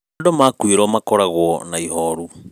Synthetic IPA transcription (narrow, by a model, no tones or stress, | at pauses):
domakwiɾɔmakɔɾaɣwɔnaiɦɔɾu